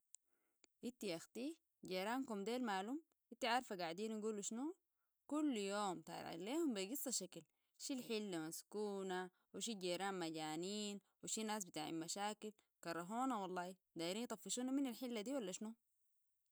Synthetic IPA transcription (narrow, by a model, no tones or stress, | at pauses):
ʔit̪ːiʔaxt̪iː | ɟeɾaːnkumd̪eːlmaːlum | ʔit̪ːiʕaɾˤfaɡaʕd̪iːnaɡuːluʃnu | kulːjoːmt̪a̰ʕa̰leːhumbiɡisˤːɑʃakal | ʃilħilːamaskuːna | wiʃiɟeːɾaːnmaɟaːniːn | wiʃinaːs̬bit̪a̰ːʕḭlmaʃaːkil | kɑrˤːɑɦuːnawɑlˤːɑːi | d̪aːjiɾiːnjt̪ˤɑfːiʃuːnaminalħilːad̪iːwalːaʃnu